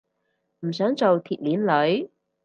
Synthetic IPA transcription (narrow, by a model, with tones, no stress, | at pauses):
m̩˨˩s̬œː˨˥ŋt͡so˨wt̪ʰiː˨t̚liː˨˥nlɵ˨˥ɥ